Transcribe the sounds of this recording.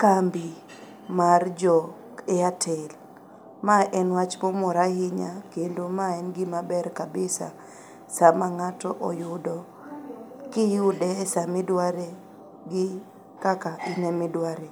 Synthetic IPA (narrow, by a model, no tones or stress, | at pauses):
kambi | mard͡ʒɔ | ɪatʰɛl | maʔɛnwat͡ʃmomɔɾahɪɲakendomaɛnɡɪmabɛrkabɪsa̰ | samaŋatɔʔɔjʊdɔ | kɪjʊdɛsamɪdwaɾe | ɡɪ | kakainɛmɪdwaɾe